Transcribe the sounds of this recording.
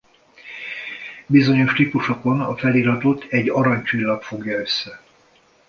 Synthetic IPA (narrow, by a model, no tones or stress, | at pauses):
bizo̞ɲo̞ʃt̪ipuʃo̞konɒfɛliːɾɒt̪o̞t̪ʰɛɟːɒɾɒɲt͡ʃilːɒpfo̞ɡjɒø̞sːɛ